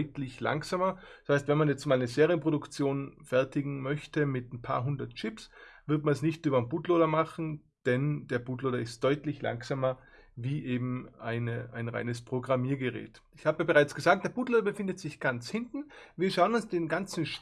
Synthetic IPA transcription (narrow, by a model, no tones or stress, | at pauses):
ʏtlɪçla̰ŋkz̥aːmɐshaɪstv̥ɛnmanjɛt͡stmaːlnəzeːʁiənpʁ̥odʊkt͡sjoːnfɛɐtɪɡŋ̩mœçtəmɪtnpʰa̰ːɐɦʊndɐtt͡ʃɪpsv̥ɪɐtmansnɪçtʔyːbɐnbuːtloːdɐmaχn̩ | d̥ɛnd̥eːɐbuːtloːdɐɪst̚d̥ɔʏtlɪçla̰ŋkzaːmɐ | viːʔeːbm̩ʔaɪnəʔaɪnʁa̰ɪnəspʁ̥oɡʁamiːɐɡəʁɛ̰ːt | ɪçhaːbəabəʁaɪt͡sɡ̥əzaːk̚td̥eːɐb̥uːtloːdɐbəfɪndətz̥ɪçɡ̥ant͡shɪntn̩viːɐʃaʊənʊnsd̥eːnɡant͡sn̩ʃ